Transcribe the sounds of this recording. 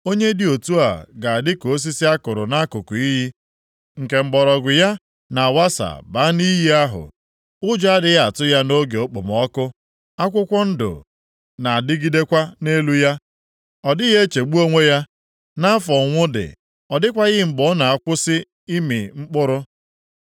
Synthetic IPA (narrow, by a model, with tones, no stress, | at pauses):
o˦ɲe˦dɪ˦o˨tu˦a̰˨ɡa˨a˨dɪ˦ko˨˦s̬i˦si˦a˦kʊ˨ɾʊ˨na˦kʊ˨ku˨i˦ɦi˦ | ŋ̩˨ke˨ŋ͡m̩˨ɡ͡bɔ˨ɾɔ˨ɡʷʊ˨ja˦ | na˨wa˦sa̰˨ba˨˦ni˦ɦi˦a˦ɦʊ̰˨ | ʊ˦d͡ʒa˦dɪ˦ɣa˨tʊ˦ja˦no˦ɡe˨o˦k͡po̰˨m˨ɔ˦kʊ˦ | a˦kʷʊ˦kʷɔ˦n̩˦dʊ̰˨ | na˨a˨dɪ˦ɡi˦de˦kʷa˦ne˦lu˦ja˦ | ɔ˨dɪ˦ɣe˦e˦t͡ʃe˨ɡ͡bu˦o˦ŋʷe˦ja˦ | na˦a˦fɔ˨ŋʷʊ˦dɪ̰˨ | ɔ˨dɪ˦kʷa˦ɣɪ˦m̩˨ɡ͡bɔ˨˦na˨a˦kʷʊ˦sɪ˦ | i˦mḭ˨ŋ͡m̩˦k͡pʊ˦ɾʊ˦